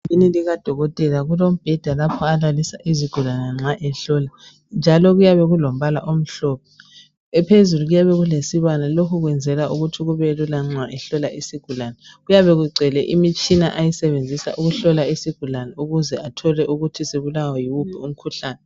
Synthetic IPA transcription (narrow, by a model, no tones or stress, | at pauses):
liniliɣad̥ʱɔɣɔtʼɛlaɣulom̩b̥ʱɛd̥ʱalapʰɔalalisaʔiziɡ̥ʱulanɛŋ͡ǁaʔɛɬɔla | nd͡ʒʱalɔɣujaβɛɣulom̩βala̰ʔom̩ɬɔːpʰɔ | ɛpʰezuluɣujaβɛɣulesiβanalokʰuɣwɛnd͡zʱɛlaʔuɣutʰiɣuβɛlulaŋ͡ǀwaʔɛɬɔlaʔisiɡ̥ʱulanɛɣujaβɛɣuɡ͡ǀʱɛlɛʔimit͡ʃʼinaʔajisɛβend͡zʱisa̰ʔuɣuɬɔlaisiɡ̥ʱulanɛuɣuzɛatʰɔlɛʔuɣutʰiseβulawɔjiwubʰʱɛum̩kʰuɬaːnɛ